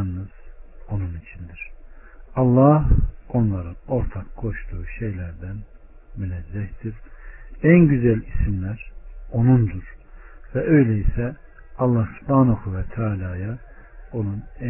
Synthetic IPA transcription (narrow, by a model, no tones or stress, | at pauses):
nnːɯz̥o̞nunit͡ʃʰind̪iɾ̥ | ɑlˠːɑho̞nlˠɑɾɯo̞ɾt̪ʰɑkɡʰo̞ʃt̪uːuʃe̞jlæɾd̪æn | mynæzːæçt̪iɾ | ænɟyzælʲisimlæɾo̞nund̪uɾ̥vɛʔø̞jlɛisɛ | ɑlˠːɑhb̪ɑːnoxuvɛt̪ʰaːlʲaːjɑ | o̞nunæ